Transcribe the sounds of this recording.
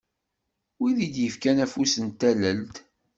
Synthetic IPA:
wiðid̪jəfkænæfusənt̪ːæləlt̪

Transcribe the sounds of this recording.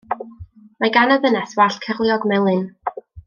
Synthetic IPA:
maɡanəvənɛswaɬkʰərlˠjɔɡmɛlˠɨn

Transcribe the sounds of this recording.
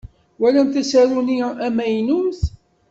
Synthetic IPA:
wælænt̪æsæɾuniʔæmæjnuθ

